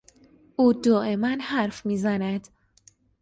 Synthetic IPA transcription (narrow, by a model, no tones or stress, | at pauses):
ʔuːd̪ɒːʔe̞mænhæɾfmiːzænæd̪̥